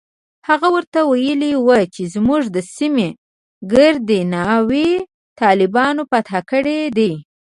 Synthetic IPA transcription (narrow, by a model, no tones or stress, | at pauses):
haɣawəɾt̪awajəliwət͡ʃezmuʐd̪əsime | ɡəɾd̪enɑwe | t̪ɑlɪbɑnopat̪akəɽed̪e